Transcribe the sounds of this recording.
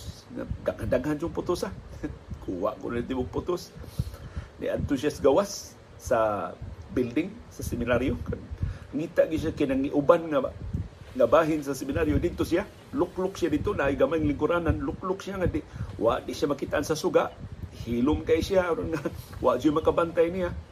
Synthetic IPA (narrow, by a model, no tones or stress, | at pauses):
ŋa̰ɡakadaɡhand͡ʒʊŋpʊt̪ʊsakʰuwa̰ʔkʊ̰nid̪ɪmʊŋpʊt̪ʊs | nḭʔa̰nt̪ʊsijasɡawasː | a | bild̪ɪŋsasɪmɪnaɾjokanŋit̪aʔɡɪʃ̬akɪnaŋːɪʔʊbanŋa | ŋabaːɦɪnsasɪmɪnaɾjodɪd̪̚t̪ʊsia | lʊklʊksɪjadɪd̪̚t̪onaʔːjɡamajŋlɪŋkʊɾananlʊklʊksijaŋadɪʔwa̰ʔdɪʔʃjamakɪt̪aʔansasuɡaʔhilʊmkaʔisiaːɾonŋawa̰ʔd͡ʒʊjmakabant̪ajnija